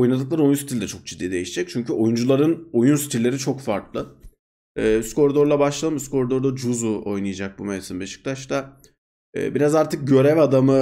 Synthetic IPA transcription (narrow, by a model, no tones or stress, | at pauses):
o̞junad̪ɯklˠaɾo̞junsit̪ʰilʲd̪ɛt͡ʃʰo̞k̚d͡ʒid̪ːiːd̪e̞jiʃid͡ʒɛc̚t͡ʃʰyɲcyo̞jund͡ʒulˠaɾɯno̞junsi̥t̪ʰilʲːe̞ɾit͡ʃʰokfaɾklˠɯ | ɯːsko̞ɾd̪o̞ɾlˠabaʃlˠalɯmsko̞ɾd̪o̞ɾd̪ad͡ʒuzuo̞jnɯjad͡ʒak̚bumejt̪ʰɯnbiat͡ʃʰɯ̥k̚lˠat͡ʃt̪a | ɯ̰ːbiɾazaɾt̪ʰɯk̚ɟø̞ɾɛvad̪amɯ